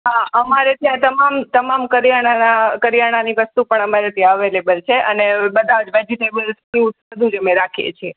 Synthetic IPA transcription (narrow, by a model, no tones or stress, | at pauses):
ɦaəmaɾet̪jãt̪əmamt̪əmamkəɾjaɽ̃anakəɾjaɽ̃aniʋəst̪upəɳəmaɾet̪ʰjãəʋelebəlt͡ʃʰeʔənebəd̪ʱad͡ʒʋed͡ʒiʈebəlspiũ | əd̪ʱũd͡ʒemẽɾakʰiḛt͡ʃʰe